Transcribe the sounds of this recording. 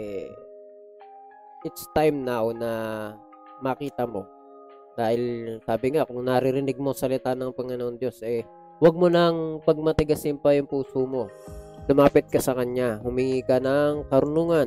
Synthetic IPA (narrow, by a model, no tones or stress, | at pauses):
ɛ | ʔɪt̪st̪ajmnawnɐ | mɐkiːt̪ɐmo̞̰ | d̪̥aːhɪlsaːbɪŋakʊŋnɐɾɪɾɪnɪɡ̚mo̞sɐlɪt̪aːnɐŋpɐŋɐnoʔnd̪jo̞sʔɛ | wɐɡ̚monɐŋpɐɡ̚mɐt̪ɪɡɐsɪmpɐjʊŋpuːsomo̞lʊmaːpɪt̪̚kɐsɐkɐɲaɦʊmɪŋiːkɐnɐŋkɐɾʊnuːŋɐn